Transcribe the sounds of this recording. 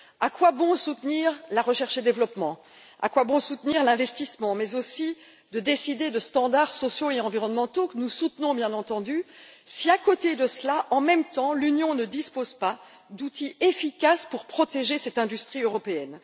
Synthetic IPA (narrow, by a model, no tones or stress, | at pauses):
akwabɔ̃sut̪niʁlaʁəʃɛʁʃed̪evlɔpmɑ̃ | a̰kwabɔ̃sut̪niʁlɛ̃vɛst̪ismɑ̃mɛzosi | d̪əd̪esid̪ed̪əst̪ɑ̃d̪aʁsɔsjoeɑ̃viʁɔnmɑ̃t̪okənusut̪nɔ̃bjɛ̃nɑ̃t̪ɑ̃d̪ysiakot̪ed̪əslaʔɑ̃mɛmt̪ɑ̃lynjɔ̃nəd̪ispozpa | d̪ut̪iefikaspuʁpχɔt̪eʒesɛt̪ɛ̃d̪yst̪χiøʁɔpeɛn